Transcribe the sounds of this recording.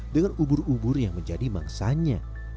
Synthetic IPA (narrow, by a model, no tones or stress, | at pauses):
dəŋanubʊrubʊrjaŋməɲd͡ʒadima̰ŋsaɲa